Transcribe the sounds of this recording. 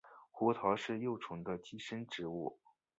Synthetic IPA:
xɔ˧˥t̪ʰɑ˧˥ʊʂɻ̩˥˧jo˥˩ʊʈ͡ʂʰʊ˧˥ŋd̪ə˧t͡ɕi˥ʂə˥nʈ͡ʂɻ̩˧˥u˥˩

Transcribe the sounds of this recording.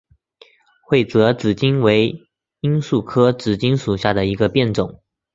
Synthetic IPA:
xwe˥˩ɪt͡sɤ˧˥t͡sɹ̩˨˩t͡ɕi˥nwe˧˥ɪ | i˥nsu˥˩kʰɤ˥t͡sɹ̩˨˩t͡ɕi˥nʂu˨˩ɕja˥˩d̪ə˩i˧˥ɡə˧pjɛ˥˩nt͡sʊ˨˩˦ŋ

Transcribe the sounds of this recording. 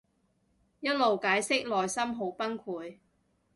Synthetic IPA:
jɐ˥t̚lo˨wkaː˨˥jsɪ˥k̚lɔː˨jsɐ˥mɦo˨˥wpɐ˥nkʰuː˨˥j

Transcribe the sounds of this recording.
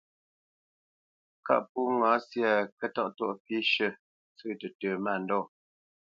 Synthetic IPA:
ka̰˦ʔpu˦ŋa˨˦sja˦˨kə˦tɔ˦˨ʔtɔ˦˨ʔpi˦ʃə˦˨ | t͡sʉː˦˨tə˨tə˨ma˦˨n̩˨dɔ˦˨

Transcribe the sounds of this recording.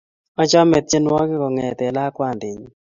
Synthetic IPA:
ɔ˦t͡ʃɔ˦mɛ˨t̪̚t͡ʃe˦nwɔ˦kɪ˦kɔ˨ŋɛ˨t̪ɛ˨la˦kwa˦˨nd̪ɪ˨ɲ˨

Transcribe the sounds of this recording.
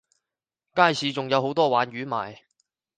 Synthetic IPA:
kaː˥˩jsʰiː˨˧t͡sʊ˨ŋjɐ˨˧who˨˥wt̪ɔː˥waː˨˧nɥyː˨˥ma̰ː˨j

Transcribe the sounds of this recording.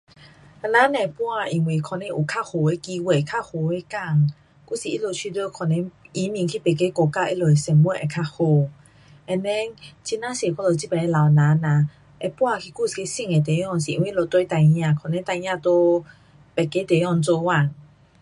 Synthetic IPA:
a˧nã˨˦nẽ˧˨pwa˥˧i˧˨ŋwi˨kʰɔ˧nẽ˧˦ʔu˨kʰa˦˥ho˨e˧˦ki˧we˧˩kʰa˥˨ho˨˩e˧˦ka˥˧˨ŋ | ku˥˨si˨i˦˥lo˧˨t͡ɕʰi˧d̪o˧˦˨kʰɔ˧˨nɛ̃˧˦i˧˦mĩ˧˨ŋkʰi˦˨pɛ˨˩ke˦ko˧ka˧˨ʔḭ˦lo˨˩˨e˨sɛ˧˩mmwə˥˧˨nʔe˨kʰa˧˥ho˧˩ | ɛ˧nɛ˦ŋt͡ɕi˧˦nã˦se˨˩˨ka˦˥lo˨t͡ɕi˦pɛ˨ne˧la˨˩wnã˨˦na˨ | ʔe˧pwa˥˧kʰi˧ku˧˨si˨e˧˦sĩ˧˨ŋe˨t̪̬e˨˦jɔ˧˨ŋs̬i˨˧˨ŋwi˧˨˦lo˧˩t̪we˧˦t̪a˧jɲã˧˨kʰɔ˧˨nɛ̃˧˦t̪a˧jɲã˧˨t̪o˧ | pɛ˨˩ke˦t̪e˨˦ɔ˧ŋt͡so˧wa˥˧˨n

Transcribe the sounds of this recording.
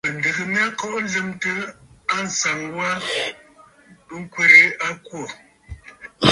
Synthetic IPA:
mə˨n˨də˨kə˨mja˦kɔ˦ʔn˦zə˦mtə˦a˦n̩˨sa˨ŋwa˦ | bə˦ŋ˦kwe˦ɾe˨˦a˦kwo˦˨

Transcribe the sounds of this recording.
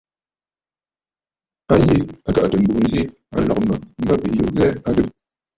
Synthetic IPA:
a˦je˨a˨ka˨ʔtə˨m̩˨bu˨n̩˦zi˦ | a̰˨lɔ̰˨k̚mə˨m̩˦ba˦pi˨jo̰˨zɛ˦a˦də˦p̚

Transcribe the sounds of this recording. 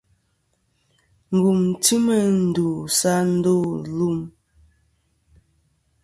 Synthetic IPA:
ŋ̩˨ɡu˨mti˦mə˦˨n̩˨du˨sa˦n̩˦do˦˨lu˦˨m

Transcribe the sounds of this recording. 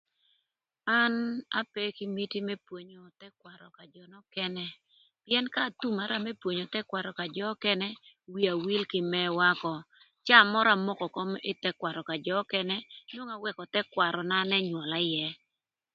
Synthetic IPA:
a˦na̰˦pɛ˦ki˦mi˦ti˦mɛ˦pwo˨ɲo˨tɛ˦kwa˨ɾɔ˨ka˨d͡ʒɔ˨nɔ˦kɛ˦nɛ˦ | pjɛ˦nka˦˨tu˦ma˨˦ɾa˦mɛ˦pwo˨ɲo˨tɛ˦kwa˨ɾɔ˨ka˨d͡ʒɔ˦kɛ˦nɛ˦wi˨a˨wi˦lkɪ˨mɛ˦wa˦kɔ˨ | t͡ʃa˦˨mɔ˦ɾa˨mɔ˦kɔ˨kɔ˦mɪ˦tɛ˦kwa˨ɾɔ˨ka˨d͡ʒɔ˨˦kɛ˦nɛ˦n˦o˦ŋa˨wɛ˦kɔ˨tɛ˦kwa˨ɾɔ˨na˦nɛ˦ɲwɔ˨la˦jɛ˦

